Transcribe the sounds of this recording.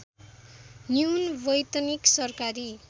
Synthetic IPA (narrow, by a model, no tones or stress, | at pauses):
njunbʌjt̪ʌniksʌrkaɾi